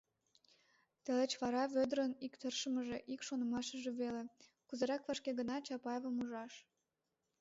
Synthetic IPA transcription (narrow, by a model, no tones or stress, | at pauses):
t̪ĕlĕt͡ɕβɑɾɑβød̪ɾənikt̪ərʃəməʒeʔikʃonə̆mɑʃə̆ʒĕβele | kuzə̆ɾɑkβɑʃkeɣənɑt͡ɕɑpɑjeβəmuʒɑʃ